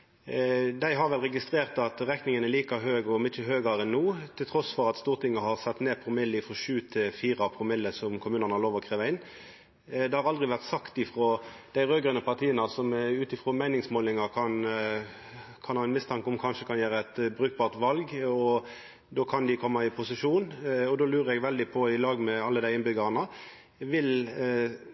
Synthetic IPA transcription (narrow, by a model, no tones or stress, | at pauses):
d̪æɪɦɑʁʋɛlʁɛɡɪst̪ɾeːʁt̪ɑt̪ɾɛknɪŋənɛliːkɑɦøːɡɔmɪt͡ʃːəɦøːɡɑɾɛnːuːt̪ʰɪlt̪ʰɾɔsfɔʁɑt̪st̪uːʁt̪ʰɪŋːəɦɑʁsɛt̪ːneːpʰɔmɪlːɪfʁɔʃʉːt̪ʰɪfiːʁɑpʰɾʊmɪlːəsɔmkʰʊmʉːnənhɑʁloːʋɔkʰɾʁeːʋɑɪnː | d̪ɛhɑɾʁɑld̪ʁɪʋæʁt̪sɑkt̪ɪfʁoːd̪̥æɪʁøːɡənəpɑʁt̪ʰiːənəsɔmɛʉːt̪ɪfʁoːmæɪnɪŋsmoːlɪŋɑkʰɑn | kʰɑnhɑːɪnmɪst̪ʰɑŋkʊmkʰɑnʃəkʰɑnjæːɾəæɪt̪bʁʉːk̚bɑːʁt̪ʋɑlɡɔ | d̪oːkʰɑnd̪ɪkʰɔmːɑɪpʰʊsɪʂuːnɔd̪oːlʉːʁəɛɡʋɛld̪ɪpʰɔɪlɑːɡmɛɑlːəd̪æɪɪnbʏɡɑʁnə | ʋɪl